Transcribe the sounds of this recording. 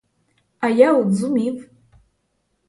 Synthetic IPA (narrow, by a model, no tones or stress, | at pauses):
ajawd͡zumipʼ